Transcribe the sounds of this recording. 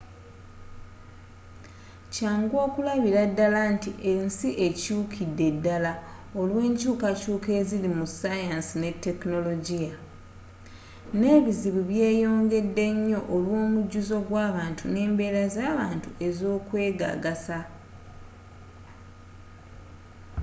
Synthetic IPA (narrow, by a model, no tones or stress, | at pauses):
caːŋɡwo̞ːkulaβiɾadːalantiʔe̞nsiʔe̞cuːkʰidːe̞dːala | olwe̞ːɲcuːkacuːke̞zilimusajansine̞tːe̞kno̞lo̞ɟija | ne̞ːβiziβuβje̞ːjo̞ːŋɡe̞dːe̞ɲːo̞ʔolwo̞ːmuɟuzo̞ɡwaːβaːntʰune̞ːmbe̞ːɾazaːβaːntuʔe̞zo̞ːkwe̞ːɡa̰ɡasa